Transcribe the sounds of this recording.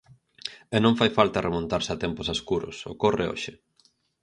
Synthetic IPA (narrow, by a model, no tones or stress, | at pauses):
ɛnõŋfajfalt̪ɐremõnt̪aɾsat̪ɛmpʊsaskuɾʊ̰so̰korḛo̰ʃɪ